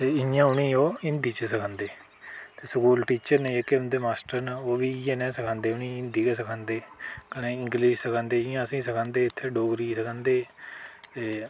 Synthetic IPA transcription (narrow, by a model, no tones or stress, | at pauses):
t̪eːɪjãːʊnĩːoːɪnd̪iːt͡ʃəsəkʰãːnd̪eː | t̪eːsəkuːlʈiːt͡ʃəɾneeːkɪʊnd̪eːmaːsʈəɾnaoːʋiːãːnɛ̃ːsəkʰãːnd̪eːʊnĩːɪnd̪iːkəsəkʰãːnd̪eːkəneːɪŋɡliːʃsəkʰãːnd̪eːɪjãːəsĩːsəkʰãːnd̪eːɪt̪ʰːeːɖoːɡɾiːsəkʰãːnd̪eːt̪eː